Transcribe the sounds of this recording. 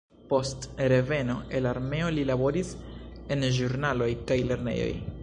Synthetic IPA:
po̞stɾe̞ve̞no̞e̞laɾme̞o̞lilabo̞ɾise̞nʒuɾnalo̞jkajle̞ɾne̞̰jo̞̰j

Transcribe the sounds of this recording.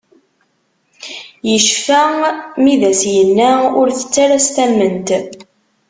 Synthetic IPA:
jəʃfæmiðæsjənːæʊɾθə̥t͡sːaɾæst̪æmːənt̪

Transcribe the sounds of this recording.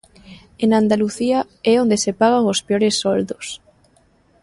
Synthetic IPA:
eŋand̪aluθia | ɛond̪esepaɣaŋospeoɾesːɔld̪ʊs

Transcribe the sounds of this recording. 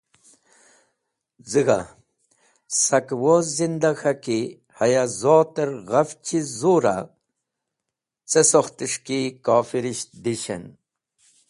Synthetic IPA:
zɨɡa̰ | sɐkwozind̪axaki | hɐjazoːt̪əɾɣɐft͡ɕʰizoːɾa̰ | t͡sesoxt̪iʂkikaːfiɾiɕd̪iɕɐ̰n

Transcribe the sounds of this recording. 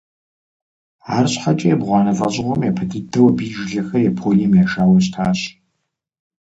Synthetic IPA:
aːrɕħat͡ʃʼɐjɛbʁʷɑːnɐfʼɐ̰ʑɪʁʷɔmjapʰɐdɨdɐwɐbiːʒɮɐxɐjɛpʰoːlimjaːʃaːwɐɕtʰaːɕ

